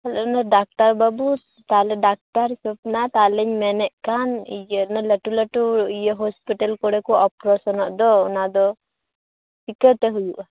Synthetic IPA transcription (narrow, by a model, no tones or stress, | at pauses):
hɛlaʔnaɖak̚ʈaɾbabu | t̪alɛɖak̚ʈaɾisɔp̚nat̪alɛɲmɛnɛʔkanijənaləʈuləʈuijəɦɔspiʈalkɔɽɛkɔʔɔpɾɔsɔnɔʔd̪ɔɔnad̪ɔ | pikəɾt̪ɛɦujuʔa